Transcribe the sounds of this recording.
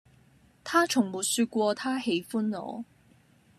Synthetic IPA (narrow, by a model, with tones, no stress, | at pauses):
t̪ʰaː˥t͡ʃʰʊ˨˩ŋmuː˨˩t̚syː˧t̚kʷɔː˧t̪ʰaː˥he˨˧˥jfuː˥nlɔ̰ː˨˧˥